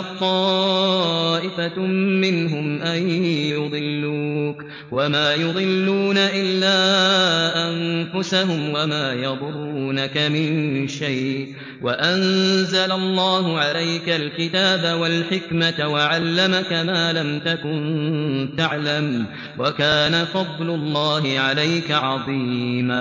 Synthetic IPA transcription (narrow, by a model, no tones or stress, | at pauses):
t̪ˤːɑː | ʔɪfamɪnɦʊmʔajjʊd̪ˤɨlːuːk | wamaːjʊd̪ˤɨlːuːnaʔɪlːaːʔanfʊsaɦʊmwamaːjɑd̪ˤʊɾːuːnakamɪnʃajʔʔ | waʔanzalalˤːɑːɦʊʕalajkalkɪt̪aːbawalħɪkmat̪waʕalːamakamaːlamt̪akʊnt̪aʕlam | wakaːnafɑd̪ˤlʊlˤːɑːɦɪʕalajkaʕɑðˤiːmaː